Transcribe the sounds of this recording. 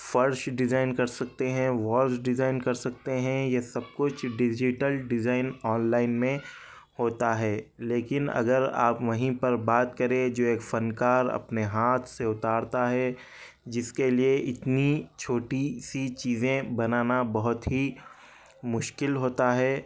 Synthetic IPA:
fɐɾʃɖɪzaːɪnkɐɾsɐk̚t̪eɦɛ̃ʋɔːɾd͡ʒɖɪzaːɪnkɐɾsɐk̚t̪eɦɛ̃jesɐb̚kʊt͡ʃʰɖɪd͡ʒɪʈəlɖɪzaːɪnɔːnlaːɪnmẽ | hoːt̪aɦɛːleːkɪnɐ̰ɡəɾa̰ːpʋɐɦĩpɐɾbaːt̪kɐɾẽd͡ʒoːeːkfɐnkaːɾɐ̰pneɦaːt̪ʰseʊt̪aːɾt̪aɦɛ | d͡ʒɪskelieʔɪt̪nit͡ʃʰoːʈisit͡ʃiːzẽbɐnaːnabɐɦʊt̪ɦi | mʊʃkɪlɦoːt̪aɦɛː

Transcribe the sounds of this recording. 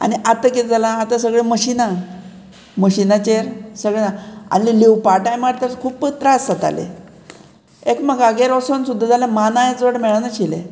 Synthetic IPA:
a̰niʔat̪əked͡zalãːt̪as̬əɡɭeməɕina | məɕinat͡ɕeɾsəɡɭenaa̰nilewpaʈajmaɽt̪əɾkʰuːpːət̪ɾasat̪a̰lḛ | ekmaɡaɡeɾosonsud̪ʱːad͡zalãmanajet͡sʋəʈmɛɭanaɕilḛ

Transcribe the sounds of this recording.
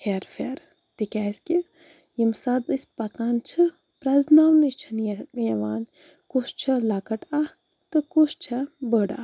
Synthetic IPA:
hʰeːɾfeːɾ | t̪ikʲaːsʲkʲi | jimsɐd̪ɨsʲpɐkaːnt͡ʃʰɨ | pɾɐznaːwnɨt͡ʃʰɐnjjɐʋaːn | kuʃt͡ʃʰɐlakɐʈah | t̪ɨkuʃt͡ʃʰɐbəɽa̰ː

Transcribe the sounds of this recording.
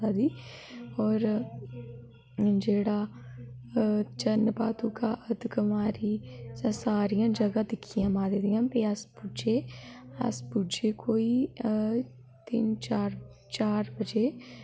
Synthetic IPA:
aːd̪iːɔːɾ | d͡ʒeːɽaː | t͡ʃənpaːt̪ũːkaːʔəd̪ʱkəmaːɾiːsɛ̃ːsaːɾijãːd͡ʒəɡãːd̪ɪkʰːijãːmaːd̪ed̪ijãːpeəspʊd͡ʒeːə̰spʊd͡ʒeːkoːiː | t̪ɪnt͡ʃaːɾ | t͡ʃaːɾbəd͡ʒeː

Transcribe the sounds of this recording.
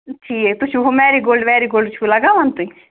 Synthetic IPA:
ʈʰiːet̪ʊt͡ʃʰuɦomɛːɾiɡoːlɖʋɛːɾiːɡoːlɖt͡ʃʰulaɡaːʋant̪ui

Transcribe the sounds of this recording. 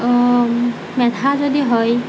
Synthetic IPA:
mɛtʰazodiɦɔj

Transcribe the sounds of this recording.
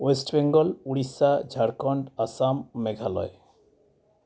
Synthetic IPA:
wesʈbeŋɡɔluɽisad͡ʑʱaɽkɔɳɖasamːeɡʱalɔ̰e

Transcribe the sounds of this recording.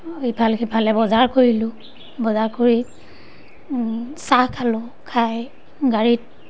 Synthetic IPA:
ibʰʱalkibʱalɛbɔzaɹkoɹilʊ̃ | bɔzaɹkoɹi | sakʰalʊ | kʰaj | ɡaɹit̚

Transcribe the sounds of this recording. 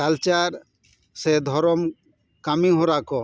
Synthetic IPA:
alt͡ʃaɾ | sed̪ʱɔɾɔm | kamiɦoɾakɔ

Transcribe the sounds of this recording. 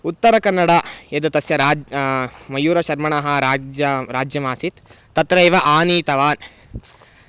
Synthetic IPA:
ut̪ːɐɾɐkɐnːɐɽɐed̪ɐt̪ɐsjɐɾaː | mɐjuːɾɐʃɐɾmɐɳɐɦɐɾaːd͡ʒɐɾaːd͡ʒjɐmaːsit̪ː | ɐt̪ɾɐjʋɐʔaːniːt̪ɐʋaːn

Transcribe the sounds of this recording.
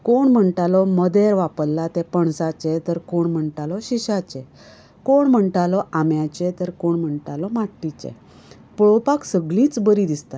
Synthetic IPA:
koɳm̤əɳʈalɔməd̪ɛɾʋapəlːat̪ɛpəɳsat͡ɕɛt̪əɾkoɳm̤əɳʈalɔɕiɕat͡ɕɛ | koɳm̤əɳʈalɔamjat͡ɕɛt̪əɾkoɳm̤əɳʈalɔmaʈʈit͡ɕɛ̰ | pɭɔpaksəɡlĩːt͡sbəɾid̪ist̪a

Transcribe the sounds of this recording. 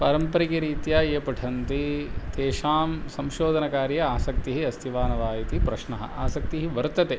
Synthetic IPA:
pɐɾɐmpɐɾikiɾiːt̪jaːeːpɐʈʰɐnt̪it̪eːʃaːmsɐmʃoːd̪ʱɐnɐkaːɾjɐaːsɐk̚t̪iɦiɐst̪ʰiʋaːnɐʋaːjit̪ipɾɐʃɳɐɦɐ̰aːsɐk̚t̪iɦiʋɐɾt̪ɐt̪e

